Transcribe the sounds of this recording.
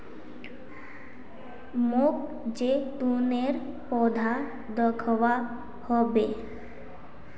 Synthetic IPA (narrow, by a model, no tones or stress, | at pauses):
mok̚ | d͡ʑet̪uneɾ | pɔd̪ʱa | d̪ɔkʰɔwa | hɔbe